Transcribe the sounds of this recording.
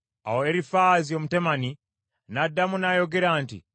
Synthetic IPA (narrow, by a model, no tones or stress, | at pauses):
a̰woeɾifaːziomutemani | nadːamunajo̞ɡe̞ɾaːntḭ